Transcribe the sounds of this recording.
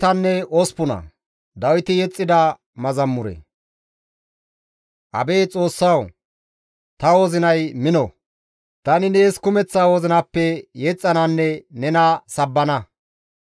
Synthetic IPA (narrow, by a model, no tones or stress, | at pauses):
t̪ɐnːɛɔspʊnɐ̰ | d̪ɐwɪt̪ɪjɛt͡sʼːɪd̪ɐ | mɐzɐmːʊɾɛ̰ | ʔɐ̰be̞ːt͡sʼo̞ːsːɐw | t̪ɐwɔzɪnɐjmɪnɔ | t̪ɐnɪneːskʊmɛt͡sːaːwɔzɪnɐpːɛjɛt͡sʼːɐnɐnːɛnɛnɐsɐbːɐnɐ